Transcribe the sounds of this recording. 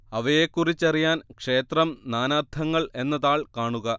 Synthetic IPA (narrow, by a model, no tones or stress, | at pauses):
ɐʋɐjekːurit͡ɕːɐrijaːnkʂe̞ːt̪rɐmnaːnaːrd̪ʰʱɐŋːɐɭe̞nːɐðaːɭkaːɳuɣɐ